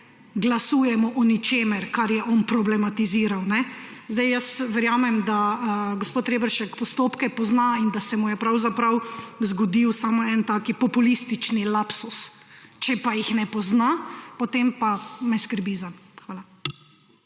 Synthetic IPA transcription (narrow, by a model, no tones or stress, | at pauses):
ɡlasuːjɛmɔʔɔnit͡ʃeːmɛɾkaɾjɛʔɔnpɾɔblɛmat̪iziːɾawnɛ | zd̪ajjəsʋɛɾjaːmɛmd̪aɡospoːt̪ɾeːbəɾʃɛkpɔst̪oːpkɛpɔznaind̪asɛmujɛpɾawzapɾɐwzɡɔd̪iwsaːmɔɛnt̪aːkipɔpulist̪it͡ʃnilapsust͡ʃɛpajixnɛpɔznapɔt̪empamɛskəɾbizaxʋaːla